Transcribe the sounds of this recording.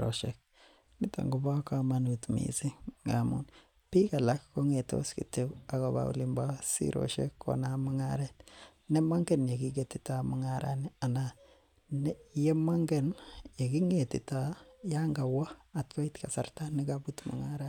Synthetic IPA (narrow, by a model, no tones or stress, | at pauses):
ɾo̰ʃek̚ | nita̰ŋɡubakamanutmḭsiŋamṵn | pikalakːoŋeto̰skitebakoba̰ṵlimbasḭɾo̰ʃḛkːo̰namuŋa̰ɾet | nemaŋɡenjeɡiɡetitamuŋaɾa̰niana | njemaŋɡenjeɡiŋetḭtajaŋɡawaatkoitkasaɾtanikabutmṵŋaɾa